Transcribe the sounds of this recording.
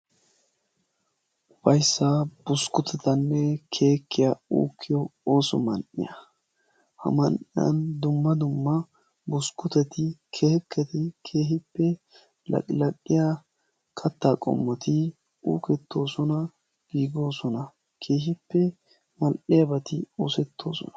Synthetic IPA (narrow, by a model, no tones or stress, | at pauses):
bɐjsːab̥ʊskʊt̪ʰɛt̪ɐnːɛkʰe̞ːkːɪjɐṵːkʰːɪjɔoːsɔ̰mɐnʔɪ̰jɐ̰ | hɐ̰mɐnʔɪjɐ̰nd̪ʊmːɐd̪ʊmːɐ | bʊskʊt̪ɛt̪ɪkʰeːkːɐt̪ɪkʰe̞ːɦɪpːɛ | lɐ̰kʼlɐkʼːɪja | kʰɐt̪ːaːkʼɔ̰mːɐt̪ɪ | ṵːkɛt̪ːo̞ːsɔnɐ | ɡ̥iːɡo̞ːsɔnɐ | kʰe̞ːɦɪpːɛ | mɐlʔɪjɐbɐt̪ɪo̰ːsɛt̪ːo̞ːsɔ̰nɐ̥